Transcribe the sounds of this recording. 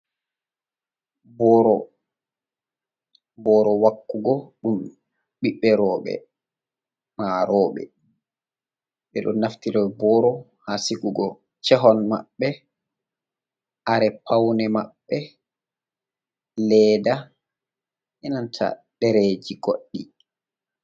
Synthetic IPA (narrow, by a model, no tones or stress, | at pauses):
bɔɾɔ | bɔɾɔwakːuɡɔɗum | ɓiɓːɛɾɔːɓɛ̰ | maɾɔːɓɛ̰ | ɓɛɗɔ̰naftiɾɔbɔɾɔ | hasiɡuɡɔ | t͡ʃɛɦɔnma̰ɓːɛ | ʔaɾɛpʰawnɛmaɓːɛ | lɛːda | ʔɛnantʰa̰ɗɛɾed͡ʒiɡoɗːi